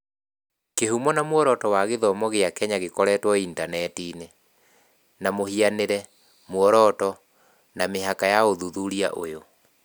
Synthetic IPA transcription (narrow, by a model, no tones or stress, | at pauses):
keɦumɔnamwɔɾɔtɔwaɣeðɔmɔɣeakɛɲaɣekɔɾɛtwɔintanɛtiːne | namohianeɾɛ | mwɔɾɔtɔ | nameɦakajaoðuðuɾia̰ʔo̰jo